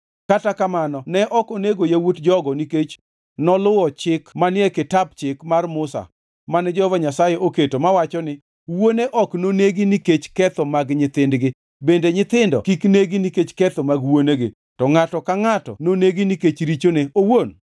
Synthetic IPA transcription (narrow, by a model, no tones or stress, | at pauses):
katakamanɔnɛʔɔkoneɡojawotd͡ʒɔɡɔniket͡ʃ | nɔlʊwɔt͡ʃɪkmanɪɛkɪtab̚t͡ʃɪkmarmʊsa̰ | manɛd͡ʒɔvaɲasajɛʔoketomawat͡ʃɔnɪ | woneʔɔknoneɡiniket͡ʃkɛt̪ɔmaɡɲɪt̪ɪndɡɪ | bendeɲɪt̪ɪndɔ̰kikneɡiniket͡ʃkɛt̪ɔmaɡwoneɡɪ̰ | tɔŋatɔkaŋatɔ̰noneɡiniket͡ʃɾit͡ʃoneowon